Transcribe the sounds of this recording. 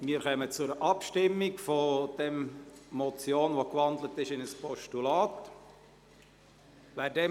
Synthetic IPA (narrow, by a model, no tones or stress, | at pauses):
miːəɾχœmət͡sʊɾʔɑpʃtɪmːiɡfod̥ɛmmɔt͡sjoːnʋokʋɑnd̪lətɪʃɪnəspɔʃtulaːt | ʋæːdɛ